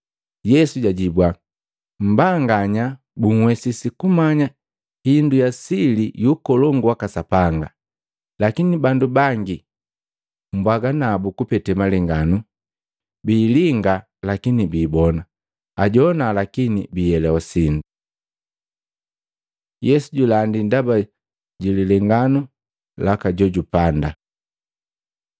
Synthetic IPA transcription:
jɛsuɟaɟibwa | m̩baŋɡaɲa | buŋ̩wɛsisikumaɲa | hindujasilijukɔlɔŋɡuwakasapaŋɡa | lakinibandubaŋɡi | m̩bwaɡanabukupɛtɛmaliŋɡanu | biːliŋɡa | lakinibiːbɔna | aɟɔnalakinibijɛlɛwasindu | jɛsuɟulandindaba | ɟililɛŋɡanu | lakaɟɔɟupanda

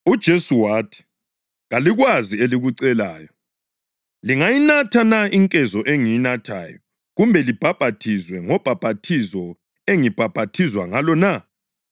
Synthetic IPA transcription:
ud̥ʒ̥ʱesuwaːtʰi̥ | ɣaliɣwazieliɣuǀɛlaːjɔ | liŋajinatʰanaiŋkʼɛzɔʔeŋijinatʰa̰ːjɔ | ɣumbʱɛlib̥ʱab̥ʱatʰizwɛŋɔb̥ʱab̥ʱatʰizɔ | eŋib̥ʱab̥ʱatʰizwaŋalɔna

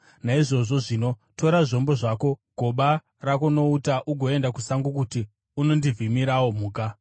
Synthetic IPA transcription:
naiʐo̞ʐo̞ʐino̞to̞ɾaʐo̞mbo̞ʐaːko̞ɡʱo̞ɓa | rakono̞utaʔuɡʱo̞e̞ndakusaŋɡukuti | uno̞ndivʱimiɾawo̞muːka

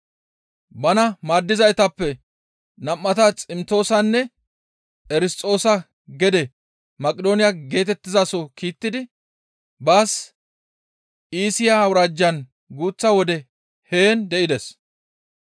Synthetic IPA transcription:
bɐnɐmaːd̪ːɪzɐjt̪ɐpːɛ | nɐmːɐt̪ɐt͡sʼɪmt̪o̞ːsɐnːɛ | ʔɛɾɪst̪ʼo̞ːsɐ | ɡɛd̪ɛ | mɐkʼɪd̪o̞ːnɪjaɡe̞ːt̪ɛt̪ːɪzasɔkiːt̪ːɪd̪ɪ | baːs | ʔiːsɪjaɐwɾaːd͡ʒːɐn | ɡuːt͡sːɐwɔd̪ɛ | he̞ːnd̪ɛʔɪd̪ɛs

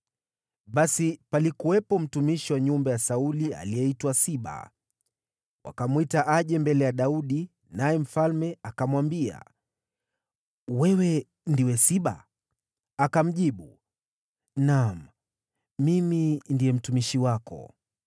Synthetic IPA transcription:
ɓasipalikuwɛpɔm̩tumiʃiwaɲumbajasaulia̰lijɛitwasiɓa̰ | wa̰kamwitaʔaʄɛmbɛlɛjaɗauɗi | najɛm̩falmɛakamwambia̰ | wɛwɛ | ndiwɛsiɓa̰ | akam̩ʄiɓu | nam̩ | mimindijɛm̩tumiʃiwakɔ̰

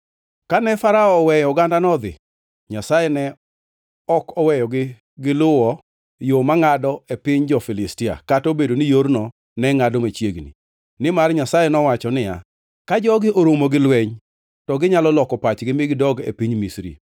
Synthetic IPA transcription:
kanɛfaɾaɔːwɛjɔɡandanɔd̪ɪ̰ | ɲasajɛnɛ | ɔkɔwɛjɔɡɪ | ɡɪlʊwɔ | jomaŋadɔepɪɲd͡ʒɔfilɪstɪa̰katobedonijoɾnɔ | nɛŋadɔmat͡ʃjeɡnḭ | nɪmarɲasajɛnɔwat͡ʃɔnɪja̰ | kad͡ʒɔɡɪʔoɾomoɡɪlweɲ | tɔɡɪɲalɔlɔkɔpat͡ʃɡɪmɪɡɪdɔɡḛpiɲmisɾḭ

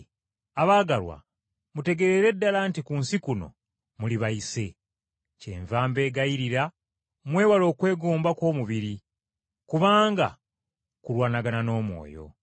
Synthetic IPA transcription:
aβaːɡalwa̰ | mute̞ɡe̞ɾeɾe̞dːalantikunsikuno̞̰ | muliβaise̞ | ce̞̰ːɱvaːmbe̞ːɡaiɾiɾa | mwe̞ːwalo̞ːkwe̞ːɡuːmbakwo̞ːmuβiɾi | kuβaːŋɡa̰ | kulwaːnaɡanano̞ːmwo̞̰ːjo̞̰

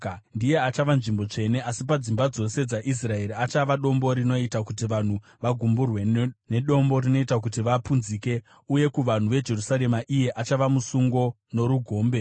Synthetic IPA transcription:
ndije̞at͡ʃaʋanʐimbo̞t͡ʂe̞ne̞asip̬ad͡zimbad͡zo̞se̞d͡zaʔis̬rae̞ɾiat͡ʃaʋaɗo̞mbo̞ɾino̞itakutiʋan̤u | ʋaɡʱumburwe̞ne̞ɗo̞mbo̞ɾino̞itak̬utiʋapunziːke̞ | uje̞kuʋan̤uʋe̞d͡ʒe̞rusaɾe̞maʔije̞ʔat͡ʃaʋamusuŋɡo̞ | no̞ɾuɡʱo̞ːmbe̞

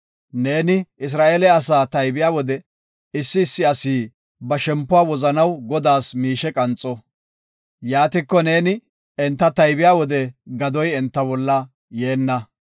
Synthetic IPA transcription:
ne̞ːnɪɪs̬ɾaːʔeːlɛɐs̬aːt̪ɐjbɪjaːwɔd̪ɛ | ɪsːɪːsːɪɐsiː | bɐʃɛmpːʊwaːwɔzɐnɐwɡɔd̪aːsmiːʃɛkʼɐnt͡sʼːɔ | jaːt̪ɪkːɔne̞ːnɪ | ɛnt̪ːɐt̪ɐjbɪjaːwɔd̪ɛɡɐd̪ɔjɛnt̪ːɐbɔlːɐ | je̞ːnːɐ

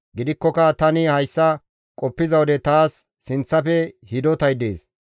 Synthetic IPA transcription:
ɡɪd̪ɪkːɔkɐt̪ɐnɪhɐjsːɐ | kʼɔpːɪzɐwɔd̪ɛt̪aːsː | ɪnt͡sːɐfɛhɪd̪ɔt̪ɐjd̪ḛːs

